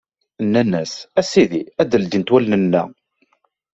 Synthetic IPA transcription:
nːænːæsæsiðiæd̪əld̪int̪wælnənːæ̰

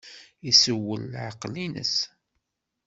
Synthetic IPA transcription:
isəwːə̰lːʕɑqlinə̰s

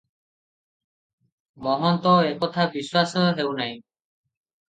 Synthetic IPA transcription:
mɔɦɔnt̪ɔekɔt̪ʰabiswasɔɦewnaj̃

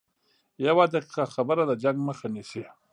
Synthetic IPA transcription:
jawad̪aqi̥qaxabəɾad̪ad͡ʒaŋɡməxanisi

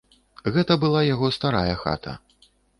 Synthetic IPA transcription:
ɣɛt̪ɐbɨlˠajaɣɔst̪aɾajɐxa̰t̪ʰɐ̰

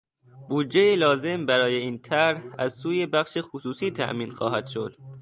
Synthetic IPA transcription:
buːd̪̚d͡ʒeilɒːze̞mbæɾɒːje̞iːnt̪ʰæɾhæ̰zsuːjebæχʃexosuːsiːt̪ʰæ̰ʔmiːnxɒ̰ːɦæd̪̥ʃod̪̥

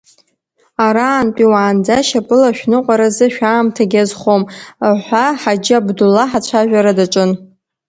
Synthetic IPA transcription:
aɾaːnpʼiwaːnd͡zaʃapʼɨlaʃᶣnɨqʷʼaɾazɨʃᶣaːmtʰaɡʲazχomħʷaħad͡ʒɪabdulːaħat͡ɕʷʰaʒᶣʷaɾadaʈ͡ʂʷʼɨn

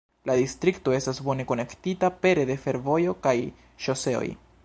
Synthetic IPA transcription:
ladistɾikto̞e̞stasbo̞ne̞ko̞ne̞ktitape̞ɾe̞de̞fe̞ɾvo̞jo̞kaj | ʃo̞se̞o̰j

